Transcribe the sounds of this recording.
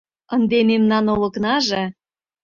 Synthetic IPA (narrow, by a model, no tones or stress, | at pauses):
ənd̪ememnɑnolɤ̆knɑʒĕ